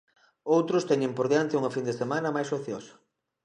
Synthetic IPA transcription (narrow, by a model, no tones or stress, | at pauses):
owt̪ɾʊst̪ɛɲẽmpoɾðeant̪ɪuŋɐfind̪esemanɐmajsoθjosɐ̥